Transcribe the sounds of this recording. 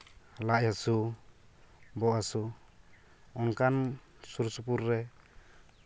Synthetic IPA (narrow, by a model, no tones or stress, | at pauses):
laʔjasu | bɔʔasu | ɔnkan | suɾsupuɾːɛ